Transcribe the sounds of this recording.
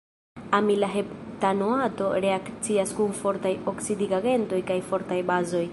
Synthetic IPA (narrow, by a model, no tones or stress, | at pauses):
amilaɦeptanoato̞ɾe̞akt͡siaskunfo̞ɾtajo̞ksidiɡaɡe̞nto̞jkajfo̞ɾtajbazo̞j